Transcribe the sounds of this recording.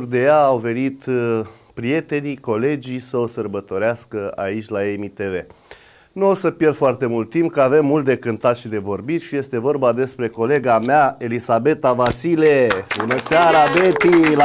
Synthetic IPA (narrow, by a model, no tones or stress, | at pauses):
rd̪e̞jaːwve̞nit̪ | pɾije̞t̪e̞niko̞le̞d͡ʒisəosərbət̪o̞ɾeaskəa̰it͡ʃʲlaemit̪eve̞ | nuo̞səpjerd̪̥foart̪e̞mult̪̚ːimp̚kəave̞mːult̪̚d̪ekɨnt̪at̪ʃid̪e̞vo̞rbit̪ʃije̞st̪e̞vo̞rbad̪e̞spɾe̞ko̞le̞ɡameae̞lisabe̞t̪avasilebunəseaɾabet̪il